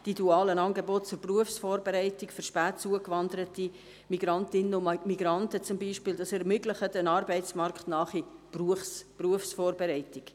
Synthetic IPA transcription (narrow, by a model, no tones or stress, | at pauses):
d̥id̥uɑːlənɑːnɡebɔtt͡sʊɾpruəfsfɔːrbeɾɛɪtɪkfəɾʃpæːtt͡suəkvɑndəɾəti | miɡɾɑntɪnəʊmiɡɾɑntət͡sʊmbiːʃpɪːldɑsɛɾmʏɡləχədənɑːɾbɛɪtsmɑrkχtnɑːχipruəfspruəfsfɔːrbeɾɛɪtɪk